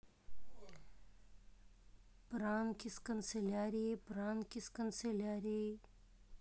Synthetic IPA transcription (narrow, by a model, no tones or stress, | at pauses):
pɾaːnkiskɐnselaːɾipɾaːnkiskɐnselaːɾi